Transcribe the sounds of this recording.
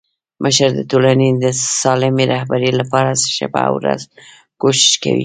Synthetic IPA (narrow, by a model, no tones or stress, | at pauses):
mʔəʃəɾd̪ət̪olaned̪əsɑlɪmeɾahbaɾelapɑɾazʃa̰ba̰wɾa̰z | koʃɪ̥ʃka̰wḭ